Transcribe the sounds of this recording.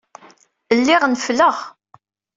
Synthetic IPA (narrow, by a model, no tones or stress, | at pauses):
əlːɪʁnfləʁ